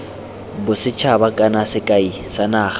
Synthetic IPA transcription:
bʊsɪt͡ʃʰabakʼanasɪkʼai | sanaːχa

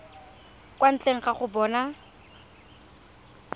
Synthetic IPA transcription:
kwan̩t͡ɬʼeŋ̩χaχʊbɔːna

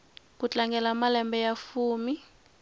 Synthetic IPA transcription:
kut͡ɬʼaŋɡʱɛlamalɛmbɛjafuːmi

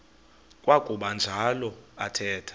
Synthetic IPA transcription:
kʼwakʼuɓand͡ʒʱalɔa̰tʰɛːtʰḁ

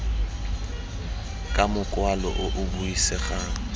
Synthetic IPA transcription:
kʼamʊkʼwalɔ̰ʔʊʔʊbuisɛɣaːŋ̩

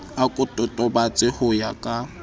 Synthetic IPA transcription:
akʼʊtʼɔtʼɔbat͡sʼɪhʊjakʼa

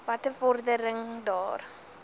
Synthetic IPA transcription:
vɐtəfɔrdəɾəŋdɑːr

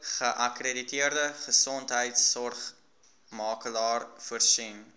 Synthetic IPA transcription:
χəʔɐkreditiərdəχəsɔntɦəjtsɔrχ | mɑːkəlɑːrfərsin

